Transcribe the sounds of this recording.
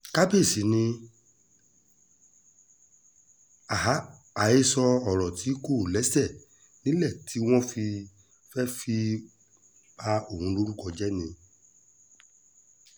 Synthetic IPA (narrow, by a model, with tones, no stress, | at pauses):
ka˦be˦˨si˨nĩ˧ | a˨ɦa˨˦ | a˨e˦sɔ˧ɔ˨ɾɔ˨tʰi˨˦ko˦˨lɛ˨˦sɛ˦˨ | nĩ˦lɛ˦˨tʰi˨˦w̃ɔ̃˦fi˧ | fɛ˦fi˧ | ba˦o˦˨hũ˧˦lo˦ɾu˦kɔ˧d͡ʒɛ˦nĩ˧